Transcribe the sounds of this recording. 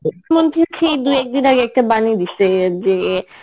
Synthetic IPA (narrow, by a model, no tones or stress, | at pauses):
kʰːmont̪ikʰejd̪ujɛk̚d̪inaɡeɛk̚ʈabanid̪itʰːed͡ʑe